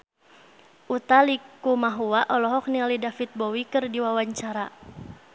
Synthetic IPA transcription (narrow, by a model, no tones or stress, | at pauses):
ʔut̪alikumaɦuwaʔɔlɔɦɔk̚nialidafit̪̚bɔwikɨrdiwawaɲt͡ʃaɾa